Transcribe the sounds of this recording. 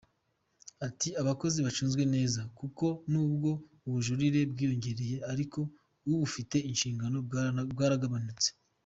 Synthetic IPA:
atiaβako̞ziβat͡ʃuːnzɡwe̞ne̞ːzakuko̞nuːbɡo̞ | uβuʒuɾiɾe̞bɡiːjo̞ɲɟe̞ɾe̞je̞aɾiko̞ | uβufite̞inʃiːŋɡano̞bɡaːɾaɡaβanut͡se̥

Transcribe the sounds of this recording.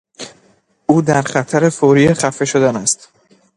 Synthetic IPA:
uːd̪æɾχæt̪ʰæɾe̞foːɾiːeχæfe̞ʃo̞d̪ænæst̪

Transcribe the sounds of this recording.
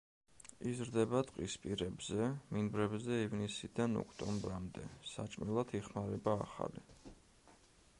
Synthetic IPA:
izɾd̪ɛbat̪ʼqʼispʼiɾɛbzɛminbɾɛbzɛivnisid̪anɔ̰kʰt̪ʼɔmbɾamd̪ɛsat͡ʃʼmilˠat̪ʰiχmaɾɛba̰ːχa̰li

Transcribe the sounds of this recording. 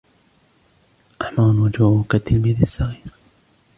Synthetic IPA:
ʔaħmaːnwad͡ʒaukat̪ːɪlmiðisːɑɣiːɾ

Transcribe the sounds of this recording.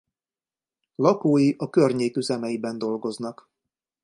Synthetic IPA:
lɒkoːjiʔɒkørɲeːkyzɛmɛjibɛnd̪o̞lɡo̞znɒk

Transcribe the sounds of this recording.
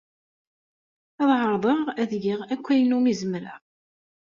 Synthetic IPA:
ɑðˤʕəɾˤðˤəʁæðʝiʁækʷːæjnumizəmɾa̰ʁ

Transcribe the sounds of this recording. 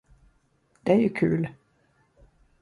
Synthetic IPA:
d̪̥ɛæɾjɵkʰʉ̟̰ːl

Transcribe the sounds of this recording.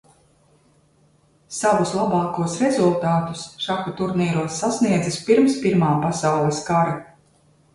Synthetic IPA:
savuslˠabɑːkuɔsɾɛzulˠt̪aːt̪u̥sʃakɔt̪uɾniːɾuɔsːasniɛd̪zaspiɾmspiɾmaːpasawlˠɛskaɾa

